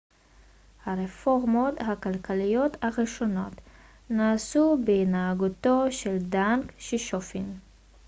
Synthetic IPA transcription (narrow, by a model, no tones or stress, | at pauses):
haʁefoʁmo̞t̪hakalkalijo̞t̪haʁiʃo̞no̞t | naːsubeinaːɡuto̞ʃeldaŋkʃiʃofin